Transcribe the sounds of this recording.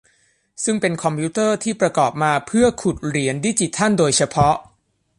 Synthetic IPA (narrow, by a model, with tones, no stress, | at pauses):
sɯ˥˩ŋpe˧nkʰɔ˧mpʰuː˦˥t̪ɤː˥˩t̪ʰiː˥˩pɾa˧kɔː˨˩p̚maː˧pʰɯ˥˩ɐkʰu˨˩t̪̚ɾi˩˦əndi˦˥t͡ɕi˨˧˩t̪ʰa˥˩ndoː˧jt͡ɕʰa˧pʰɔ˦˥ʔ